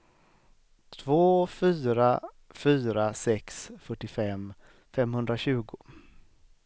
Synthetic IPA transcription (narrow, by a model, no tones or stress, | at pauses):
t̪ʰvoːfyːɾa | fyːɾasɛksfœʈːɪfɛm | fɛmhɵnd̪ɾaɕʉ̟ːɡʊ